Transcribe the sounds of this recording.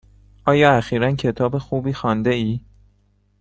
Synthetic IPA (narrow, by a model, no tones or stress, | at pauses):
ʔɒːjɒːæxiːɾæncʰe̞t̪ʰɒːbe̞xuːbiːxɒːnd̪eiː